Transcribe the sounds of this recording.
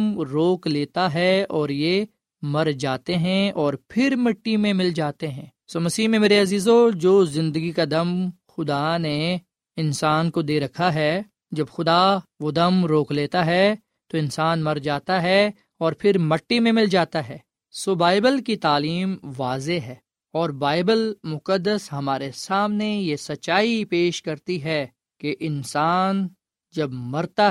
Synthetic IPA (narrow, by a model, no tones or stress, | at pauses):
mɾoːkleːt̪aɦɛɔːɾje | mɐɾd͡ʒaːt̪eɦɛ̃ɔːɾpʰɪɾmɐʈːimẽmɪld͡ʒaːt̪eɦɛ̃ː | somɐsiːɦmẽmeːɾeɐziːzod͡ʒoːzɪ̃nd̪əɡikad̪ɐm | xʊd̪ane | ɪnsaːnkod̪eːɾɐkʰaɦɛ | d͡ʒɐbxʊd̪aʋod̪ɐmɾoːkleːt̪aɦɛ | t̪oɪ̃nsaːnmɐɾd͡ʒaːt̪aɦɛ | ɔːɾpʰɪɾmɐʈːimẽmɪld͡ʒaːt̪aɦɛː | sobaːɪbəlkit̪aːliːmʋaːzeɦɛː | ɔːɾbaːɪbəlmʊkəd̪ːəsɦɐmaːɾesaːmnejesɐtːʃaːipeːʃkɐɾt̪iɦɛ | keʔɪnsaːn | d͡ʒɐbmɐɾt̪a